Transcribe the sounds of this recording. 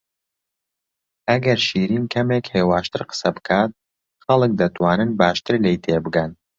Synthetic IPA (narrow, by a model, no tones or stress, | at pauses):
ʔɐɡɐɾʃiːɾiːnkʰɐmekheːwaːʃt̪ɨɾqə̥sɐbɨkʰaːt̪̚ | xɐlˠɨk̚d̪ɐt̪ʰwaːnɨnbaːʃt̪ʰɨɾlejt̪ʰeːbɨɡɐn